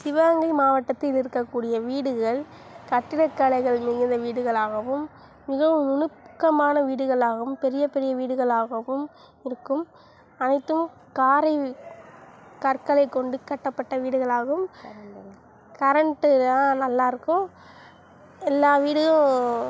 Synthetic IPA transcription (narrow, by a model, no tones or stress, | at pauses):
sɪʋaːŋɡɐɪmaːʋɐʈːɐt̪ːɪlɪɾɯkːɐkːuːɽɪjɐʋiːɽɯɣɐɭ | kɐʈːɪɽɐkːaɭɐɪɣɐɭmɪɣɪnd̪ɐʋiːɽɯɣɐɭaːɣɐʋɯmː | ɪɣɐʋɯmʊnɯpkːɐmaːnɐʋiːɽɯɣɐɭaːɣɯmpɛɾɪjɐpɛɾɪjɐʋiːɽɯɣɐɭaːɣɐʋɯm | ɪɾɯkːɯm | ɐnɐɪt̪ːɯm | kaːɾɐɪ | kɐɾkɐɭɐɪkːɔɳɖɯkːɐʈːɐpːɐʈːɐʋiːɽɯɣɐɭaːɣɯm | kɐɾɐɳʈːɯðaːnɐlːaːɾɯkːʊ̃ | ɛlːaːʋiːɽɯɣɐ